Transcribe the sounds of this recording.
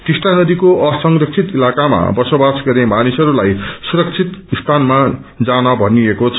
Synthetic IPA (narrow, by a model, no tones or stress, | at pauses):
t̪isʈanʌd̪ikoʔʌsʌŋrʌk̚t͡sʰit̪ilakama̰bʌsobasɡʌrnemanisʌɾulajsuɾʌk̚t͡sʰit̪ist̪ʰanmad͡zanʌbʱʌniekot͡sʰ